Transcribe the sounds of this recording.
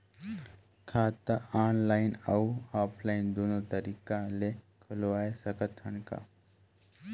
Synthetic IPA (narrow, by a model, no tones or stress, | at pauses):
kʰaːt̪əaːnlaːɪnəuaːpʰlaɪnd̪oːnot̪əɾiːkalekʰʊlʋaːesəkət̪ʰːənka̰